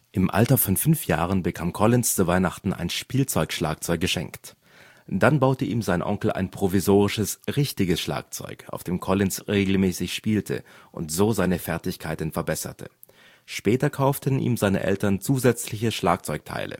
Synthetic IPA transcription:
ʔɪmʔa̰ltɐfɔnfʏnfja̰ːʁ̞ənbəkʰaːmkʰɔlɪnst͡suvaɪnaχtn̩a̰ɪnʃpiːlt͡sɔʏkʃla̰ːk̚t͡sɔʏk̚ɡ̥əʃɛ̰ŋkt | d̥anbaʊtəʔiːmzaɪnʔɔ̰ŋkl̩ʔa̰ɪnpʁ̥ovizoːʁɪʃəsʁɪçtɪɡəsʃla̰ːk̚t͡sɔ̰ʏkʰa̰ʊfd̥eːmkʰɔlɪnsʁeːɡl̩mɛːsɪçʃpiːltʰə̰ʔʊ̰ntz̥oːzaɪnəfɛɐtɪçkʰaɪtn̩fɛɐbɛsɐ̰tʰə̰ | ʃpɛːtɐkʰaʊftʰənʔḭːmzaɪnə̰ʔɛ̰ltɐnt͡suːzɛt͡slɪçəʃla̰ːk̚t͡sɔʏk̚tʰa̰ɪlʔə̰

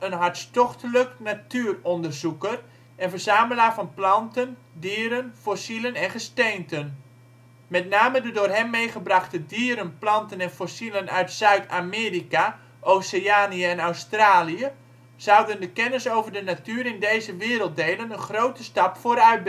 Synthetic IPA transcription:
ənɦɑɹtstɔχtələknatyːrɔndərzukər | ɛnvərzaːməlaːvɑnplɑntəndiəɾənfosilənɛnχəstejntən | mɛtnaːmədədʊːrɦɛmːejχəbrɑχtədiəɾənplɑntənɛnfosilənœɥtsœɥtameːrika | ʔowsəaːniəɛnawstraːliə | z̥awdəndəkɛnəsowvərdənatyːəɾɪndejzəʋɪːɾəlˠt̚dejlənənχrowtəstɑpfoːɾœɥt̚b

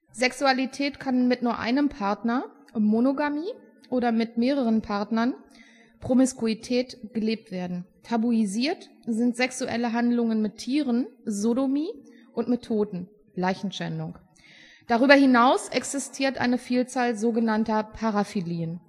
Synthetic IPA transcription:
z̥ɛksualitʰɛːtkʰanmɪtnuːɐʔa̰ɪnəmpʰaɐtnɐ | monoɡamiː | ʔoːɾɐmɪtmeːʁ̞əʁ̞ənpʰaɐtnɐn | pʁ̥omɪskuitʰɛːtɡ̥əleːp̚tv̥eːɐdn̩tʰabuiziːɐt | zɪntz̥ɛksuʔɛ̰ləɦandlʊŋənmɪtʰːiːʁənzodomiː | ʔʊntmɪtʰːoːtn̩ | laɪçn̩ʃɛ̰ndʊŋk | d̥aʁyːbɐhɪnaʊsʔɛksɪstʰiːɐtʔa̰ɪnəfiːlt͡saːlzoːɡənantɐpʰaʁafiliːən

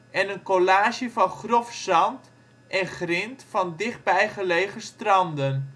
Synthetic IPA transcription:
ʔɛnənkolaːʒəvɑnχrɔfsɑnt | ʔɛnχrɪntfɑndɪχt̚bɛjχəlejχəstrɑndən

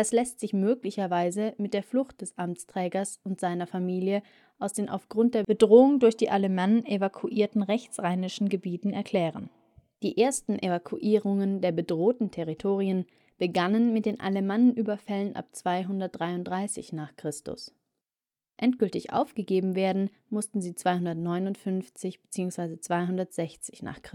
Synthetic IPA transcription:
ɛslɛstz̥ɪçmøːklɪçɐvaɪzəmɪt̚d̥eːɐflʊxt̚d̥ɛsʔamt͡stʁ̥ɛːɡɐsʔʊntz̥aɪnɐfamiːljə | ʔaʊsd̥eːnʔa̰ʊfɡ̥ʁʊnt̚d̥eːɐb̥ədʁoːʊŋdʊɐçd̥iːʔalemanʔevakʰuʔiːɐtn̩ʁɛçt͡sʁ̥aɪnɪʃn̩ɡəbiːtn̩ɛɐkʰl̥ɛːʁən | d̥iːʔeːɐstn̩ʔevakʰuʔiːʁʊŋəndeːɐbədʁoːtn̩tʰɛʁitʰoːʁ̞iən | b̥əɡanənmɪt̚d̥eːnʔa̰lemanənʔyːbɐfɛlənʔa̰p̚t͡sv̥aɪɦʊndɐt̚d̥ʁaɪʊntd̥ʁaɪsɪ̰çnaːχkʁ̥ɪstʊ̰s | ʔɛntɡ̥ʏltɪçʔa̰ʊfɡ̥əɡeːbm̩veːɐdn̩ | mʊstn̩ziːt͡sv̥aɪhʊndɐtnɔʏnʊntfʏnft͡sɪçb̥ət͡siːʊŋsv̥aɪzət͡sv̥aɪɦʊndɐtz̥ɛçt͡sɪ̥çna̰ːχkɪ

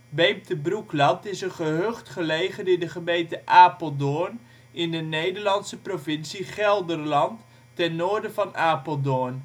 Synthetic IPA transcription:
bejmtəbruklɑntɪsənχəɦøχtχəlejχədɪdəχəmejntəʔaːpəlˠdon | ɪndənejdərlɑntsəprovɪnsiχɛlˠdərlɑntː | ɛnːoːɹdəvɑnaːpəlˠdon

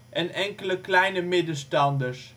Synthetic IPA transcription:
ʔɛnɛŋkələklɛjnəmedəstɑndəɹs

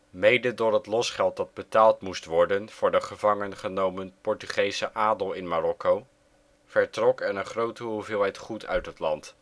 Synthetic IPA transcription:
mejdədʊːɹɦətlɔsχɛlˠt̚dɑd̚bətaːlˠtmustʋɔɹdənv̥ʊːɹdəχəvɑŋənχənowmənpɔɹtyχejsəʔaːdəlˠɪnmarɔkow | v̥ɛɹtrɔkɛnəχrowtəɦuvɪːlˠɦɛjtχutʰœ̰ɥtɦətlɑnt

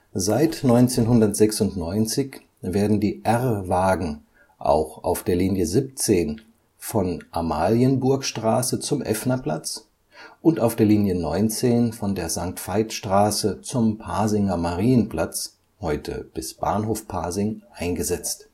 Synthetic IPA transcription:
zaɪtnɔʏnt͡seːnɦʊndɐtz̥ɛksʊntnɔʏnt͡sɪç | veːɐdn̩diːʔɛʁvaːɡŋ̩ | ʔa̰ʊxʔa̰ʊfd̥eːɐliːnjəzɪp̚t͡seːn | fɔnʔamaːljənbʊɐkʃtʁ̥aːsət͡sʊmʔɛ̰fnɐpl̥a̰t͡s | ʔʊntaʊfd̥eːɐliːnjənɔʏnt͡seːnfɔndeːɐzaŋk̚tfaɪtʃtʁ̥aːsət͡sʊmpʰaːzɪŋɐmaʁiːnənpl̥at͡s | hɔʏtʰə̰b̥ɪsb̥a̰ːnɦoːfpʰaːzɪŋʔaɪnɡəzɛt͡st

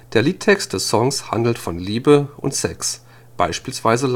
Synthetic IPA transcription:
d̥eːɐliːttʰɛkstd̥ɛssɔŋsha̰ndl̩tfɔnliːbəʔʊ̰ntsɛ̰ks | b̥a̰ɪʃpiːlsv̥aɪzəl

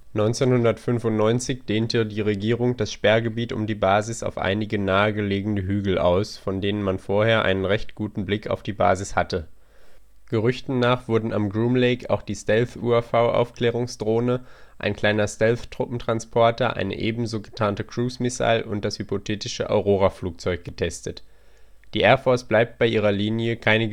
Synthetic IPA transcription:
nɔʏnt͡senhʊndɐtfʏnfʊntnɔʏnt͡sɪçd̥eːntədiːʁeɡiːʁʊŋd̥asʃpɛɐɡəbiːtʊ̰mdiːbaːzɪsa̰ʊfʔa̰ɪnɪɡənaːəɡəleːɡŋ̩dəɦyːɡl̩ʔa̰ʊsfɔndeːnənmanfoːɐheːɐʔa̰ɪnənʁɛçtɡ̥uːtn̩blɪkʰa̰ʊfd̥iːba̰ːzɪshatə | ɡ̥əʁʏçtn̩naːχv̥ʊɐdn̩a̰mɡʁuːmleɪka̰ʊxd̥iːstɛlfṵːafaʊʔa̰ʊfkl̥ɛːʁ̞ʊŋsd̥ʁoːnəʔa̰ɪnkl̥aɪnɐstɛlftʁ̥ʊpm̩tʁ̥anspʰɔɐtɐʔa̰ɪnə̰ʔeːbm̩zoːɡətʰaːntəkʁ̥uːsmɪsa̰lʔʊnt̚d̥ashypotʰeːtɪʃəʔɔ̰ʊʁoːʁ̞afluːk̚t͡sɔʏk̚ɡ̥ətʰɛstət | d̥iːʔɛɐfɔɐsb̥laɪp̚t̚b̥aɪʔiːʁɐliːnjəkʰaɪnə

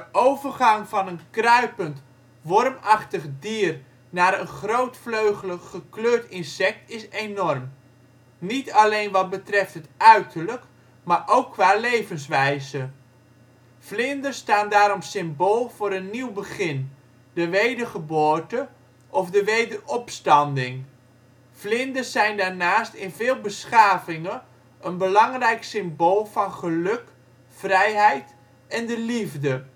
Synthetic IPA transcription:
dəʔowvərχɑŋvɑnənkrœɥpənt | ʋɔrmɑχtəχdiːr | naːɾənχrowtfløɥχələχəkløːɹtɪnsɛk̚tɪsejnɔrm | nitɑlejnʋɑd̚bətrɛftɦətœɥtʰəɹlək | maːɹʔowkːʋaːlejvənsʋɛjzə | flɪndəstaːndaːɾɔmsɪmboːlˠv̥ʊːɾənːiwbəχɪn | dəʋejdərχəboːɹtə | ʔɔfdəʋejdərɔpstɑndɪŋ | flɪndəzɛjndaːɹnaːstɪnvɪːlˠbəsχaːvɪŋə | ənbəlɑŋrɛjksɪmboːlˠvɑnχəlɵk | frɛjɦɛjt | ɛndəlivdə

